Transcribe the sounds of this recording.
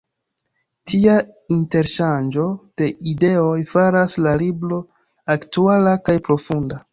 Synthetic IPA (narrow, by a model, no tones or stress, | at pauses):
tiainte̞ɾʃand͡ʒo̞d̥e̞ide̞o̞jfaɾaslaliblo̞ | aktualakajpɾo̞funda